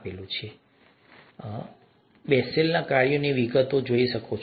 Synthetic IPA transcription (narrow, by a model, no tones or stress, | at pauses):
pelũt͡ʃʰe | bɛselnakaɾjoniʋiɡət̪od͡ʒoiʃəkot͡ʃʰ